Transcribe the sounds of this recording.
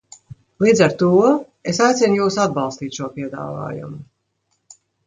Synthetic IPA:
lˠiːd̪zaɾt̪uɔ | esajt̪sʲɛnjuːsad̪̚bɑlˠst̪iːt̪ʃuɔpiɛd̪a̰ːva̰ːjṵmu

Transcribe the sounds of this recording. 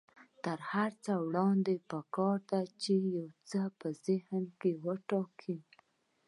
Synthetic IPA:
t̪əɾhaɾt͡səwɽɑnd̪epəkɑɾd̪at͡ʃejawt͡səpəzɪhmkewəʈɑkʰi

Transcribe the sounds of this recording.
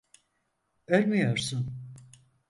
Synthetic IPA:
øɾʲmyjo̞ɾsun

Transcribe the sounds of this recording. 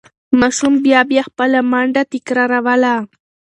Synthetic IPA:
mɑʃumbjɑbjɑxpəlamaɳɖat̪ɪkɾɑɾawala

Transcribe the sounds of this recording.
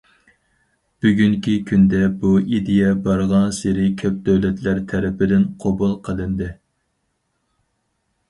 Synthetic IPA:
b̥yɡʲyŋkʲʰikʲʰynd̪ɛbuid̪ejɛbɑɾʁɑnseɾɪkʲʰøp̚d̪øwlɛt̪læɾt̪ʰːɛɾɪpɪd̪ɪnqʰobulˠqʰəlˠɨnd̪ɨ

